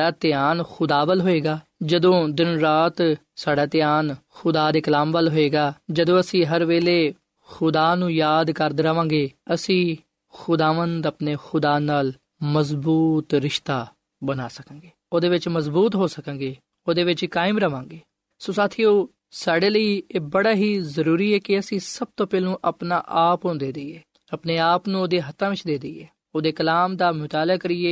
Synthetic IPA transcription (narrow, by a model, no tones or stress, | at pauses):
aːt̪ɪjaːnxʊd̪aːʋəlɦoːeːɡaː | d͡ʒəd̪õːd̪ɪnɾaːt̪ | saːɖaːt̪ɪjaːnxʊd̪aːd̪eːkəlaːmʋəlɦoːeːɡaːd͡ʒəd̪õːəsĩːɦəɾʋeːleː | xʊd̪aːnũːjaːd̪kəɾd̪ɾəʋãːɡeːəsĩː | xʊd̪aːʋənd̪əpneːxʊd̪aːnaːl | məzbuːt̪ɾɪʃt̪aː | bənaːsəkãːŋɡeːoːd̪eːʋɪt͡ʃməzbuːt̪ɦoːsəkãːŋɡeː | oːd̪eːʋɪt͡ʃkaːɪmɾəʋãːŋɡeː | sõːsaːt̪ʰiːoː | saːɖeːləiːeːbəɽaːɦiːzəɾuːɾiːɦɛːkɪəsĩːsəb̚t̪õːpɛːlũːʔəpna̰ːʔaːpɦõːnd̪eːd̪iːɛː | əpneːaːpnũoːd̪eːɦət̪ːãːʋɪt͡ʃʰd̪eːd̪iːɛː | oːd̪eːkəlaːmd̪aːmʊt̪aːlaːkəɾɪːeː